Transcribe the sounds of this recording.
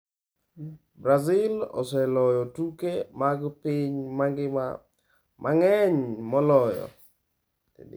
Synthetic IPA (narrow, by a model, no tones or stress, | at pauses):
bɾazɪlɔ̰sɛlɔjɔtukemaɡpiɲmaŋɡɪma̰ | mʔaŋɛɲmɔlɔjɔ̰ | ḛd̰